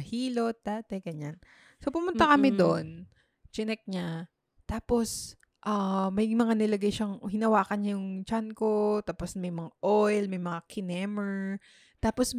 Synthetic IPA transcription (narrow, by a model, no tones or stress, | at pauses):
ɐhiːlo̞t̪̚d̪̥aːt̪ɐjɡɐɲan | sopʊmʊnt̪akɐmɪd̪on | t͡ʃɪnɛk̚ɲa | t̪aːpo̞s | ʔamɐjmɐŋanɪlɐɡajʃɐŋɦɪnɐwaːkɐɲɲajʊŋt͡ʃankot̪aːposmɐjmɐŋaʔojlmɐjmɐŋakʰɪnɛmɛɹ | t̪aːpos